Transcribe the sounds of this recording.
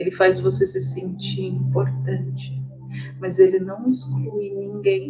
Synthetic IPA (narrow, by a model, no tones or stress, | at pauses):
elɪfajzvosesɪsẽnt͡ʃiɾĩmpoɾt̪ɐ̃nt͡ʃɪ̥ | mɐzelɪnɐ̃w̃isklujnĩŋɡẽj̃